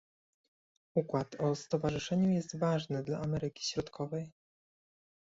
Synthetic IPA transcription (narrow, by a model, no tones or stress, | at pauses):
ukwat̪ɔst̪ɔvaʐɘʂɛɲujɛst̪vaʐnɘd̪laːmɛɾɘkʲi̥ɕɾɔt̪kʰɔvɛj